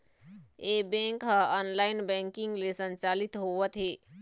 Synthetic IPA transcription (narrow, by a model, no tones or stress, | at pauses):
ebẽŋkɦə̃ənlainbɛ̃ŋkiŋɡlesənt͡ʃalit̪ɦoʋət̪ɦe